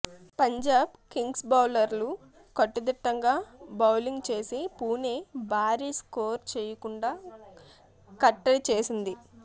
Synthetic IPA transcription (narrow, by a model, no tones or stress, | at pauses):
pɐɲd͡ʒaːb̚kiŋɡsbɐwlɐɾlu | kɐʈːɐd̪iʈːɐŋɡaːbɐwliŋɡt͡ʃe̞ːsipuːnebʱaːɾiːsko̞ːɾt͡ʃeːjɐkuɳɖaː | kɐʈːɐlit͡ʃe̞ːsind̪i